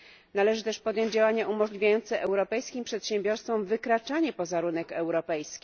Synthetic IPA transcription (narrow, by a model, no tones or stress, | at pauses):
nalɛʐɘt̪ɛʂpɔd̪jɔɲd͡ʑd͡ʑawaɲaʔumɔʐlʲivʲjajɔnt̪sɛʔɛwɾɔpɛjskʲimpʂɛt̪ɕɛ̃mbʲjɔɾst̪fɔ̃mvɘkɾat͡ʂaɲɛpɔzaɾunɛkɛwɾɔpɛjskʲi